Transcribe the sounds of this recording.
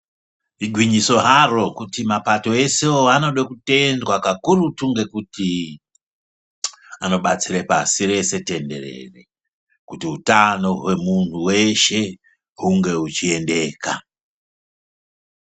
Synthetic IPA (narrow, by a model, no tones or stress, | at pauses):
iɡʱwiɲiso̞ɦaro̞kutimapato̞e̞seoano̞ɗakute̞ndwakakuɾutuŋɡe̞kuti | ano̞ɓat͡siɾepasiɾe̞se̞te̞nde̞̰ɾe̞̰re̞̰ | kutiutano̞ɦwe̞muntuwe̞ʃe̞ | ɦuŋɡe̞ut͡ʃie̞nde̞ːka